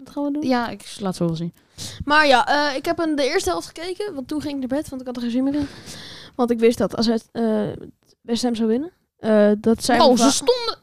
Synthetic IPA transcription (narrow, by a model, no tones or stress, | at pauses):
ɑtχaːnʋədujaɪklaːtsosin | maːɹjaʔəɪkɦɛpəndəɪːɹstəɦɛlˠftχə̥kejkənʋɑntːuχɪŋɪknaːɹbɛtʋɑ̃ntɪkɑtəχzinmevɪnəʋɑntɪkʋɪstdɑtɑ̰s̬ɛtə | ʋɛstɛmzowʋɪnən | ʔədɑtsɛjowəsondə